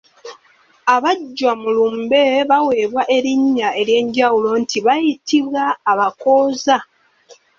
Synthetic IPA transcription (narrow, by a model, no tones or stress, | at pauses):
aβaɟːwamulumbe̞βawe̞ːβwaʔe̞ɾiɲːae̞ɾje̞ːɲɟawulo̞ntiβajitʰiβwaːβako̞ːza